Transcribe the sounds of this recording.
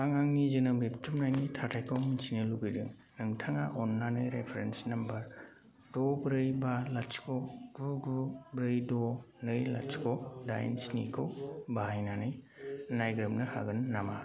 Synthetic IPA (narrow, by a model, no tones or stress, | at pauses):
aŋaŋnizɯnɯbɾiptʰumnajnitʰatʰajkʰominsʰinɯluɡɯjdɯŋ | nɯŋtʰaŋaʔɔnlanɯjɾepʰeɾensnɐmbɐɾ | dɔbɾɯjbalat͡ʃkʰɔɡ̥uɡubɾɯjdɔnɯjla̰t͡ʃkʰɔda̰jnsnḭkʰowbaajnanɯj | najɡɾɯmnɯha̰ɡɯnːama̰